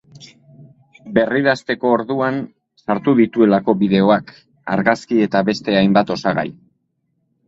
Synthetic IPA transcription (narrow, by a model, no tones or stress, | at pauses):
be̞riðast̪e̞ko̞ːɾðuan | saɾt̪uðit̪ue̞lako̞βiðe̞o̞ak | a̰ɾɣaskie̞t̪aβe̞st̪e̞ajmbat̪o̞saɣa̰j